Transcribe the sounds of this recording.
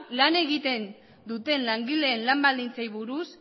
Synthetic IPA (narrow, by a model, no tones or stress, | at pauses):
lane̞ɣit̪e̞n | d̪ut̪e̞nlaŋɡile̞ːnlambald̪int͡sajβuɾus